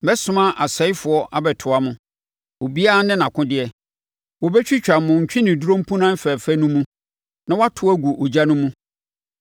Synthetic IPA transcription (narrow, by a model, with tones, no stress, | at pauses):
ɛ˦sʊ̃˦mã˦ʔa˨sɛ˨˦i˦fʊ˨ɔ˦ʔa˨bɛ˨tʰʊ˨a˦mʊ̃˨ | o˨bi˦a˦a˦nɪ̃˦nã˨kʰʊ̃˦dɪ˨ɛ˨ | wɔ˨bɛ˦t͡ɕᶣi˦t͡ɕᶣa˨mʊ̃˨ɲ̩˨t͡ɕᶣɪ̃˦nɪ̃˨du˦ɾõ˦m̩˦pʰũ˦nã˦m̩˦fɛː˨fɛ˦nũ˦mũ˦ | nã˦wa˦tʰʊ˦æ˦ɡu˨ʔo˨d͡ʑa˦nʊ̃˦mũ˦